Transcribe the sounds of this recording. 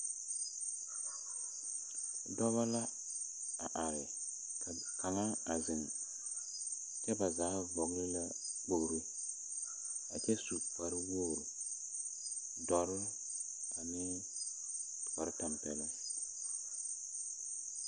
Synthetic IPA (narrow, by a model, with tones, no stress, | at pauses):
dɔ˦βa˦la˦ | a˨ʔa˨ɾɪ˨ | kʰa˨ | kʰa˨ŋa˦a˨zɪ˨ŋ | t͡ʃɛ˦ba˨zaː˨˦vɔ˨ɡlɪ˦la˦ | k͡po˨ɾɪ˦ | a̰˨t͡ʃɛ˦su˨k͡pa˨ɾɪ˦wo˦˨ɾ | dɔ˨ɾɪ˦ | a˨mɪ˦ | k͡pa˨ɾɪ˦ta˨mpɛ˨lɪ˦